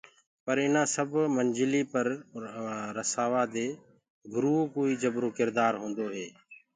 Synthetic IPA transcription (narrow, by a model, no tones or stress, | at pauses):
pəɾɪnãːsəbʱmənd͡ʒɪliːpəɾ | ɾəsaːʋaːd̪eː | ɡʱʊɾuːoːkoːiːd͡ʒəbɾoːkɪɾd̪aːɾɦõːnd̪oːɦeː